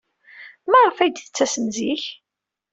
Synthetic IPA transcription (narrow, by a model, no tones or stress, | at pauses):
mæʁəfæjd̪θət͡sːæsənziç